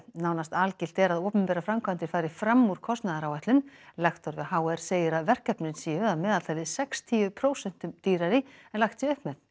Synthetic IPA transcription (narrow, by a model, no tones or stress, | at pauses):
naːwnast̪alcɪl̥t̪ɛɾaðowpʏmpɛːɾafɾamkʰant̪ɪɾ̥faːjɾɪfɾamːuɾ̥kʰɔst̪naðaɾawaht̪lʏmlaxt̪ɔɾvɪhaːwɛɾ̥seːjɪɾaðvɛr̥kɛpnɪnsiːʏaðmɛːðalt̪ajlɪsɛkst̪ʰiːvʏpʰɾoːwsɛn̥t̪ʏmt̪iːɾaɾɪɛnlaxt̪siʏhpmɛt̪n̥